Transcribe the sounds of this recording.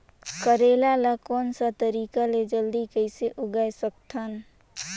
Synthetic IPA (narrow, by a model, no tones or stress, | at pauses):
kəɾelalakoːnsat̪əɾiːkaled͡ʒəld̪ikəɪseʔʊɡajsək̚t̪ʰən